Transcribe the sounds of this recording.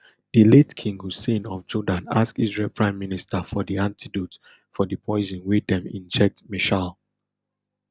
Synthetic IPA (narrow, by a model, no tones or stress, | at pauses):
d̥iletkʰĩŋɡhusĩnɔvd͡ʒɔdãna̰skizɹɛlpʰɹãɪ̃mːinistʰəfɔdiãntʰidot | fɔdəpʰɔɪzɔ̃nwidɛ̃mḭ̃nd͡ʒɛk̚miʃal